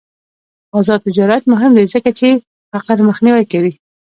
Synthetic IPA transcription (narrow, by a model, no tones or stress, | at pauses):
azɑd̪̚t̪ːɪd͡ʒɑɾat̪mʊɦɪmd̪ajzəkat͡ʃe | faqaɾməxniwajkawi